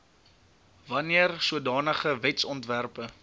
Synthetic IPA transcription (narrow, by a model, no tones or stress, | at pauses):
vɐniərsuədɑːnəχəvɛtsɔntværpə